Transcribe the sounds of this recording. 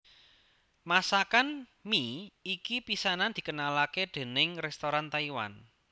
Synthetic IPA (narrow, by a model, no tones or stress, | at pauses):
masakanmiikipisanand̪̥i̤kənalaked̪̥e̤nɪŋrɛst̪oɾant̪aiwa̰n